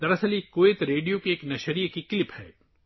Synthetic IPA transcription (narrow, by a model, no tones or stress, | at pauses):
d̪ɐɾɐsɐlikoːeːt̪ɾeːɖijokeeːknɐʃɐɾijkikɪlɪphɛ̰ː